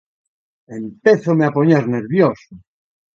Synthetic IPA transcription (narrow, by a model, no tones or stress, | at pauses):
empeθomeapoɲeɾneɾβjoso